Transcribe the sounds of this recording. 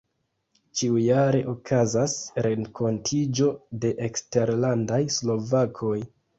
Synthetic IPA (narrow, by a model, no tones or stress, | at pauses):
t͡ʃiujaɾe̞ʔo̞kʰazasɾeŋkʰo̞ntʰid͡ʒo̞de̞ʔekste̞ɾlandajslo̞vakʰo̞j